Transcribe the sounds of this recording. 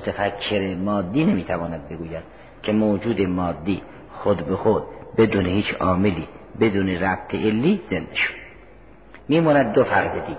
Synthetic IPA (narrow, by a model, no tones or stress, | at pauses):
mot̪ʰefækʰːeɾemɒːd̪ːiːnemiːt̪ʰævɒːnæd̪̚be̞ɡuːjæd̪̥̚ | kʰemoːd͡ʒuːd̪emɒːd̪ːiː | xod̪bexod̪̚be̞d̪uːnehiːt͡ʃʰɒːmeliː | be̞d̪uːneɾæbt̪ʰeʔelːiːzenːeʃo̥d̪ | miːmɑːnæd̪ːofæɾzed̪iːɡ